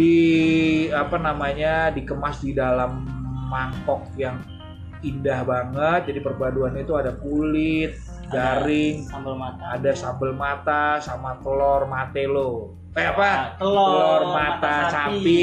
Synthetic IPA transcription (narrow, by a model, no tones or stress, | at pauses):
i | apanamaɲadikəmasdidalamːaŋkɔk̚jaŋ | indahbaŋət̪̚d͡ʒadipərbaduanait̪uadakulɪt̪̚ | daɾɪŋbəaadasambəlmat̪asamat̪əlɔrmat̪ɛloh | ajapaəlɔrmat̪asapɪ